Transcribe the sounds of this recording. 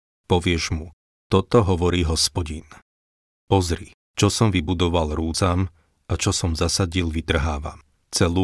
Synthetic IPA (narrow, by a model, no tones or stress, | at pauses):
pɔʋɪɛʒmu | t̪ɔt̪ɔɦɔʋɔɾiːɦɔspɔɟin | pɔzɾi | t͡ʃɔsɔmʋibud̪ɔʋalɾuːt͡sam | at͡ʃɔsɔmzasaɟilʋit̪r̩ɦaːʋa̰m | t͡sɛluː